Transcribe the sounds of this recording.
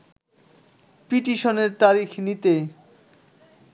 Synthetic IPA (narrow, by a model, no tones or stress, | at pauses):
piʈiʃoneɾt̪aɾikʰnit̪e